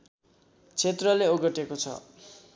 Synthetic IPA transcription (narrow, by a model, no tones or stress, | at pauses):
t͡sʰet̪rʌleoɡʌʈekot͡sʰʌ̰